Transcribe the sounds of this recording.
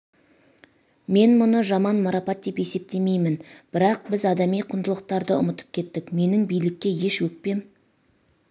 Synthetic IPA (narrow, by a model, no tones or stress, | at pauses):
me̞nmʊnəʒɑmɑnmɑɾɑpɑt̪ːepe̞se̞p̚t̪e̞me̞jmɪnb̥ɪɾɑq̚bɪzɑd̪ɑmijqʰʊnd̪əlˠəq̚t̪ɑɾd̪əʊ̰mət̪ə̥p̚kʲʰe̞t̪ːɪkme̞nɪŋbijlɪkʲːe̞je̞ʃwɵk̚pe̞m